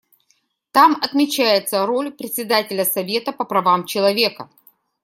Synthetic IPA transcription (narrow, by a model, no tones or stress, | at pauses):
t̪amɐt̪mʲɪt͡ɕæjɪt̪səɾo̞lʲpɾʲɪt̪ʲsʲɪd̪atʲɪlʲəsɐvʲe̞t̪əpəpɾɐvamt͡ɕɪlˠɐvʲe̞kə